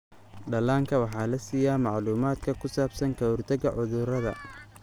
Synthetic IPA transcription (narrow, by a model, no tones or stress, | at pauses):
ɖɐlaːŋkʰɐwɑħɑːlɐsiːjaːmɑʕluːmaːd̪kʰɐkʰʊsaːbsɐŋkʰɐhʊrt̪ʰɐɣɐʕʊðʊɾɐðɐ̰